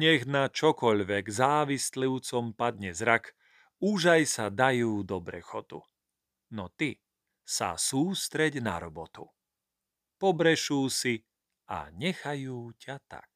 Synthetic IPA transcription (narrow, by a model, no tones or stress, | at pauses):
ɲɛɣnat͡ʃɔkɔʎʋɛɡzaːʋisliʊt͡sɔmpad̪ɲɛzɾak | uʒajsad̪ajuːd̪ɔbɾɛ̰xɔt̪ṵ | nɔt̪i | sa̰suːst̪ɾɛɟna̰ɾɔbɔt̪ṵ | pɔbɾɛʃuːsi | a̰ɲɛxajuːcat̪a̰k̚